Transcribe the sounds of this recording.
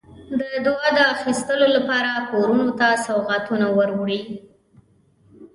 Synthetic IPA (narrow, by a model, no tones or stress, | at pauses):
d̪əd̪wɑd̪əaxist̪əlolapɑɾakoɾunot̪asawɣat̪unawəɾwɽi